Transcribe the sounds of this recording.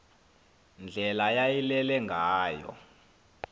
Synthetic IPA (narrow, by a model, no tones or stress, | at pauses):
nd͡ɮʱɛlajajilɛlɛŋɡʱaːjɔ̰